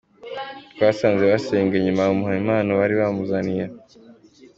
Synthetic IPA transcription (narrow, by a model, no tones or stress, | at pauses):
βasaːnzeβaseːŋɡeɲumaomuhaimaːnaβaɾiβamuzanija